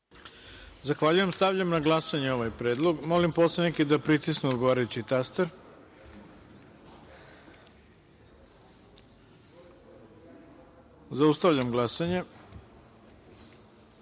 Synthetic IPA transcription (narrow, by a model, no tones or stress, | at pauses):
zaxʋaʎujemst̪aʋʎamnaɡlˠasaɲeo̞ʋajpɾe̞ːd̪lˠo̞ɡmolimposlˠenikid̪apɾit̪isneod̪ɡoaːɾajut͡ɕit̪ast̪eɾ | zaust̪aʋʎamɡlˠasaɲe